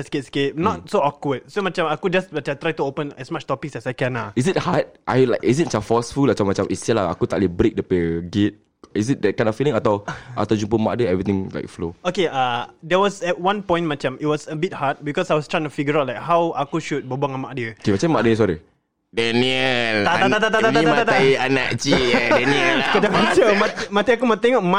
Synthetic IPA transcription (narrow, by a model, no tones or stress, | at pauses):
sket̚sket̚nɔt̚soɔkwəd̚somat͡ʃãmakud͡ʒasmat͡ʃãt̪ɹajtuopə̃nɛsmat͡ʃtɔpiksɛsajkɛ̃naisit̚hat̚ʔa̰jlaɪkisit̚mat͡ʃãfɔsfulmat͡ʃãmːat͡ʃãmʔisiəlaa̰kut̪aʔlibɾek̚dəpəɡet̚ | isit̚dɛt̚kãj̃nɔfilĩŋat̪awʔa̰t̪awd͡ʒũmpəma̰ʔk̚dəɛvɹit̪ĩŋla̰ɪjk̚flookeadɛwɔsɛt̚wãnpɔ̃j̃ntmat͡ʃãmit̚wɔsəbit̚hat̚bikɔsajwɔstɹãjĩnt̪ufiɡəɹawtlajk̚hawakuʃut̚bobãŋamaʔ̚djəkemat͡ʃãmmaʔ̚dəɲs̬ɔɾi | dɛniəlaaat̪at̪at̪aaiamat̪at̪aiana̰kt͡ʃidɛniəlkədamat͡ʃəmatimat̪iakumat̪ɛŋɔk̚ma